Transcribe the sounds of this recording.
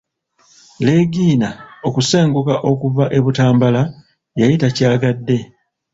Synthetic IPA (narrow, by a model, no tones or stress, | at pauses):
le̞ːɡiːnaokuse̞ːŋɡukaʔo̞kuvaʔe̞βutaːmbala | jajitacaːɡadːe̞